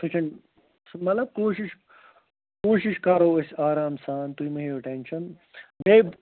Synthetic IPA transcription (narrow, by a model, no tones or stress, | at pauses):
t̪ʰɐt͡ʃʰɐɳ | smɐt̪lɐb̚koːʃiʃ | koːʃiʃkaːɾoːɐsʲaːɾaːmsaːnt̪uimɐɦeːoʈenʃɐn | beːb